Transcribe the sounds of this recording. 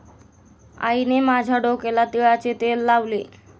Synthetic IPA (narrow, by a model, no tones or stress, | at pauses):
a̰inemad͡ʑʱaɖokelat̪iɭat͡set̪elːaʋle